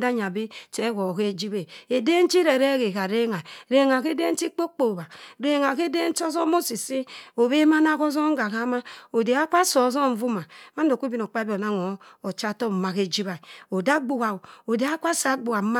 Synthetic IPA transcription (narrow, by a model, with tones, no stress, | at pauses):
da˦ɲ˨a˨bi˦t͡ʃe˨˦wo˨ke˦d͡ʒi˦βe˨e˨de˦n˦t͡ʃi˦ɾe˨ɾe˦ɣe˨ka˨ɾe˦ŋa˨ɾe˦ŋa˨ke˦de˦n̩˦t͡ʃi˦k͡po˦k͡po˨ba˨ɾe˦ŋa˨ke˦de˦n˦t͡ʃo˦zo˦mo˦si˨si˦o˨βe˦ma˦na˦ko˦zo˦ŋ˦ɡa˨ɣa˦ma˦o˨de˨a˦kʷa˦so˨˦zo˦˨ɱ̩˨˦vu˦ma˨ma˦n˦do˨kʷu˦bi˦n˨o˨k͡pa˦bo˨na˦ŋo˨˦o˨t͡ʃa˦to˦m˨ma˨ke˦d͡ʒi˦βa˨o˨da˦ɡ͡bu˨ɣa˨o˨de˨a˦kʷa˦sa˨˦ɡ͡bu˨a˨˦ma˦